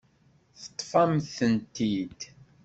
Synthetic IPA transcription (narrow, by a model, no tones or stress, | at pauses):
θə̥t̪ˤːfɑmθənt̪id̪